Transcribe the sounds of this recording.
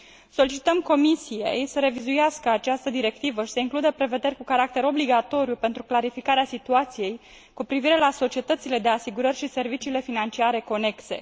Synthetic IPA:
so̞lit͡ʃit̪əmko̞misije̞̰jsəɾe̞vizujaskəat͡ʃast̪əd̪iɾe̞kt̪ivəʃi̥seiŋklud̪əpɾe̞ve̞d̪e̞rʲkukaɾak̚t̪e̞ɾo̞bliɡat̪o̞ɾjupe̞nt̪ɾuklaɾifikaɾeasit̪uat̪sije̞j | kupɾiviɾe̞laso̞t͡ʃie̞t̪ət̪sile̞d̪e̞asiɡuɾərʲʃise̞rvit͡ʃiːle̞finant͡ʃiaɾe̞ko̞ne̞kse̞̰

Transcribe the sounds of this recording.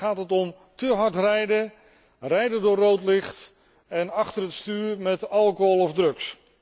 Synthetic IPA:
aːtɦətɔm | təɦɑɹtrɛjdə | rɛjdədʊːrowtlɪχt | ɛnɑχtərətstyːɹmɛtɑlˠkoɦolˠɔvdrɵks

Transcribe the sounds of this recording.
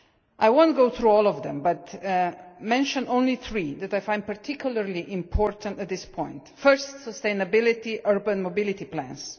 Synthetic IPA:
ʔajwõnt̚ɡoʊθɹuɔlˠɔvðɛ̰̃mbʌt | mɛ̃nʃə̃nõʊ̃nliθɹiðɛtajfãj̃nd̚paɹtʰɪkʰjulˠəɹliʔɪ̃mpʰɔɹtə̃ntət̪̚ðɪspʰɔ̃j̃ntfɜɹstsəstẽɪ̃nəbɪlɪtiʔɜɹbə̃nmobɪlɪt̪iplæ̰̃ns

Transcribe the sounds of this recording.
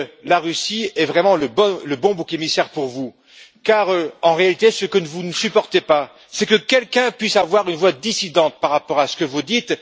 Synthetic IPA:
laʁysiɛvʁɛmɑ̃ləbɔləbɔ̃bukemisɛʁpuʁvu | kaʁɑ̃ʁealit̪esəkənəvunəsypɔʁt̪epa | sɛkəkʲɛlkʲɛ̃pɥisavwaʁynvwad̪isid̪ɑ̃t̪̚paʁapɔʁasə̥kəvud̪it̪

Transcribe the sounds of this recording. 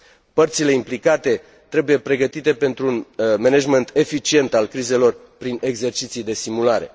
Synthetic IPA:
pərt̪sile̞implikat̪e̞ | t̪ɾe̞buje̞pɾe̞ɡət̪it̪e̞pe̞nt̪ɾuːnmenad͡ʒment̪ʰe̞fit͡ʃie̞nt̪alkɾize̞lo̞r | pɾine̞ɡze̞rt͡ʃit̪sijd̪e̞simulaɾe̞̰

